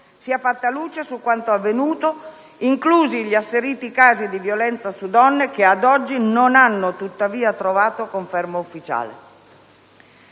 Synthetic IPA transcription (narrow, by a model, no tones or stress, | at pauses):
siɛfːat̪ːaluːt͡ʃesukːwant̪oavːenuːt̪o | iŋkluːziʎiasːeɾiːt̪ikaːzid̪ivjolɛnt̪sasud̪ɔnːek̟ead̪ɔd͡ʒːinonanːot̪ut̪ːaviːat̪ɾovaːt̪okoɱfɛrmaufːit͡ʃa̰ːlḛ